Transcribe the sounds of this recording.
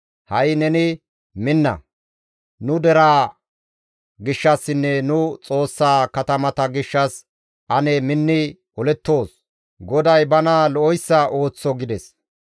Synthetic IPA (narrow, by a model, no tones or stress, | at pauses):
hɐjnɛnɪ | mɪnːɐ̰ | nʊd̪ɛɾaː | ɡɪʃːɐsːɪnːɛnʊt͡sʼo̞ːsːaːkɐt̪ɐmɐt̪ɐɡɪʃːɐs | ʔɐnɛmɪnːɪ | ɔlɛt̪ːo̞ːs | ɡɔd̪ɐjbɐnɐlɔɔjsːɐo̞ːt͡sːɔɡɪd̪ɛs